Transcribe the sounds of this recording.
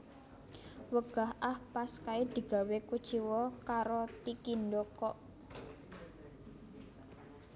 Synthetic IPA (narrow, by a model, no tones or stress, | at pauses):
wəɡ̥a̤ɦʔahpaskaid̪̥i̤ɡ̥a̤wekud̥ʒ̥iwɔkaɾot̪ikindokɔʔ